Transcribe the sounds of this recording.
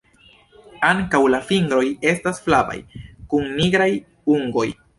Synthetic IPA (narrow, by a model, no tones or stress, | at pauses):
aŋkawlafiŋɡɾo̞je̞stasflaba̰jkunniɡɾaj | uŋɡo̞j